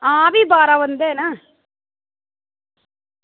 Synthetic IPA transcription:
aːʋibaːɾaʋɐnd̪eːna

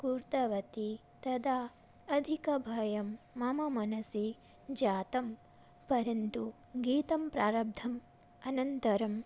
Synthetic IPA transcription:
kuːɾt̪ɐʋɐt̪i | t̪ɐd̪aː | ɐd̪ʱikɐbʱɐjɐmːɐmɐmɐnɐsi | d͡ʒaːt̪ɐm | pɐɾɐnt̪u | ɡiːt̪ɐmpɾaːɾɐb̚d̪ʱɐm | ɐnɐnt̪ɐɾɐm

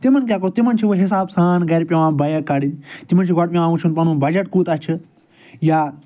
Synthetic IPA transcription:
t̪imɐnk̬ʲjaːk̬out̪imɐnt͡ʃʰiʋoɦis̬aːbsaːnɡɐɾpʲɐʋãːbɐjɐkːɐɽinʲt̪imɐnt͡ʃʰiɡɐʈmʲĩaːʋũt͡ʃʰunpɐnũːbɐd͡ʒɐʈkuːt̪ɐt͡ʃʰɨ | jaː

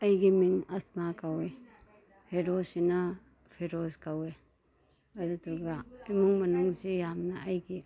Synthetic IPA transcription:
ɐjɡimiŋɐst̚makawe | heɾosinɐ | pʰeɾoskawe | ɐdutuɡaimuŋmɐnuŋsijamnɐɐjɡi

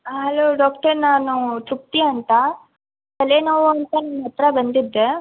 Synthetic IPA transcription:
ɦɐloːɖaːk̚ʈɐɾnaːnũt͡ʃuk̚t̪iaɐɳt̪a | t̪ɐlenɐʋoɐnt̪ɐnɐmːɐɐt̪ːɾabɐnd̪id̪ːe

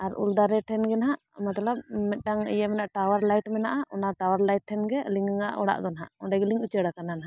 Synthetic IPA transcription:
aɾṵld̪aɾɛʈʰɛnɡɛnaɦaʔmat̪alap̚mɛt̪̚ˀʈaŋḭjamɛnaʔʈawaɾlajʈmɛnaʔaʔɔnaʈawaɾlajʈ̚ʈʰːɛnɡɛliŋɡɛŋa̰ʔɔɽa̰ʔd̪ɔnɦa̰ʔɔɳɖɛɡɛliŋut͡ʃəɽakananaɦaʔ

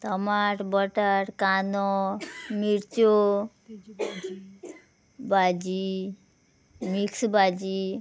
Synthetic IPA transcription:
t̪əmaʈbɔʈəʈkanɔmiɾt͡ɕo | bad͡ʑi | miksbad͡ʑi

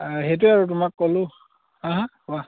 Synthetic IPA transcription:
ɦejt̬ʊaɹutʊmakːolʊ̃ | ãɦã | ʊa

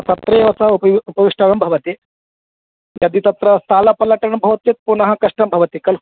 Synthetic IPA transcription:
t̪ɐt̪ɾɐjʋɐsɐuupɐʋiʂʈɐɽɐmbʱɐʋɐt̪i | jad̪it̪ɐt̪ɾɐst̪aːlɐpɐlɐʈɐɳbʱɐʋɐt̪jɐt̪̚punɐɦɐkɐʂʈɐmbʱɐʋɐt̪ikɐl

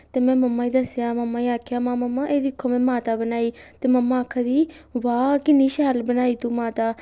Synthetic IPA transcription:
t̪eːmɛ̃ːməmːaːiːd̪əsjaːməmːaːiːaːkʰjaːmãːməmːaːʔeːd̪ɪkʰːomɛ̃ːmaːt̪aːbənaːiːt̪eːməmːaːkʰːad̪iːʋaːkɪnːiːʃaəlbənaːiːt̪uːmaːt̪aː

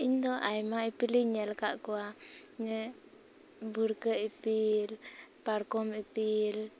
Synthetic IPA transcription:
ind̪ɔʔajmaipiliɲəlkaʔkuaɲə | buɾkəipilparkɔmipil

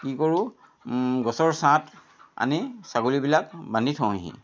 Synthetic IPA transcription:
kikoɹu | ɡɔsɔɹsãt | a̰nisaɡolibilakbanditʰɔ̃ɦḭ̃

